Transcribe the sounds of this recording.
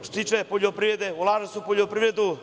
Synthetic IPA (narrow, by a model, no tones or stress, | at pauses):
t̪ot̪iːt͡ʃepoʎopɾiɾed̪eulˠaːʒesupoʎʲopɾiʋɾed̪u